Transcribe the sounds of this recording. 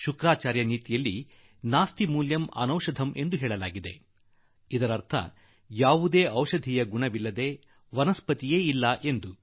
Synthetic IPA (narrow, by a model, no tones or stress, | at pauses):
ʃukɾaːt͡ʃaːɾjɐniːt̪ijɐlːi | naːst̪imuːljɐmɐ̰nɐwʃɐd̪ʱɐmʔe̞nd̪uɦɛːɭɐlaːɡid̪e̞ | id̪ɐɾɐɾt̪ʰɐ̰ | jaːʋud̪e̞ːʔɐwʃɐd̪ʱijɐɡuɳɐʋilːɐd̪e̞ː | ʋɐnɐspɐt̪ije̞ːilːɐʔe̞nd̪u